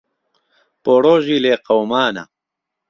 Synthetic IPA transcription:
poːɽoːʑiːleːqɐwmaːna̰

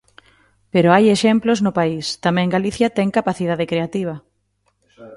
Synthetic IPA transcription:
peɾoajeʃɛmploznʊpaist̪amɛ̃ŋɡaliθjɐt̪ɛŋkapaθið̞aðekɾeat̪iβ̞ɐ

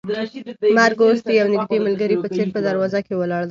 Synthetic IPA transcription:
maɾɡost̪iawnɪɡd̪eməlɡəɾipət͡seɾpəd̪aɾwɑzakewəlɑɽd̪a

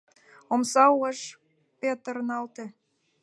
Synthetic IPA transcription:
omsɑuəʃ | pet̪ə̆ɾnɑlt̪ĕ

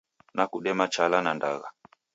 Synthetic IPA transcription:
nakuɗɛmat͡ʃalananda̰ɣa̰

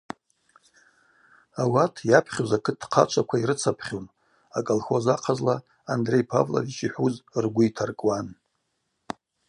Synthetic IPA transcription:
awatʰjapʰχʲozakʰɨt̚ːqʰa̰t͡ʃʷʰakʷʰaiɾɨt͡sʰapʰχʲon | akʼalxozaqʰazlaː | ndre̞jpʰa̰vla̰dit͡ʃʰiħʷuzrɡʷʊitʰarkʼwan

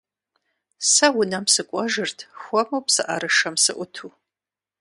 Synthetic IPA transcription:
sɐwʊnɐmsɨkʷʼɔʒɨrtʰxʷɔmɐwpsɨʔɐɾɨʂɐmsɨʔʷʊtʰu

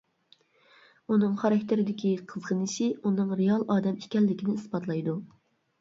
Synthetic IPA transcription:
unɨŋχɑɾɛkʲt̪ʰɪɾɪd̪ɪkʲiqʰəzʁənɨʃɪunɨŋɾejɑlˠʔɑːd̪ɛmikʲɛlːɪkʲinɪispɑt̪ʰlˠɑjd̪u

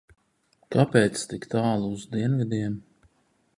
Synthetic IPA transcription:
kapɛːt̪st̪ikt̪aːlˠuuzd̪iɛnvid̪ʲiɛm

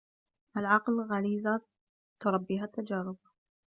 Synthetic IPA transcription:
ʔalʕɑqlɣaliːza | t̪ʊɾˤɑbːiːɦat̪ːad͡ʒaːɾˤɪb

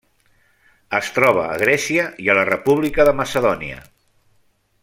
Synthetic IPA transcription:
əst̪ɾɔβ̞ə̰ːɣɾɛsiəiələrəpuβlikəðəməsəðɔniə̰

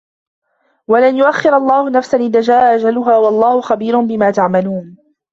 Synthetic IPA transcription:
walanjʊʔaxːɪɾaɑlˤːɑːhʊnafsanʔɪðaːd͡ʒaːʔaʔad͡ʒalʊɦaːwɑlˤːɑːhʊxabiːɾʊnbɪmaːt̪aʕmaluːn

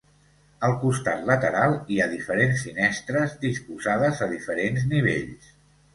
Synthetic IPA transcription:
əlˠkust̪at̪lət̪əɾalˠiaðifəɾensːinɛst̪ɾəzd̪ispuzaðəzəðifəɾenzniβ̞ḛʎs

